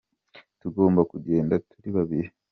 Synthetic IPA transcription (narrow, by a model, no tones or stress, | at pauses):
tuɡo̞ːmbakuɟe̞ːndatʰuɾiβaβiɾe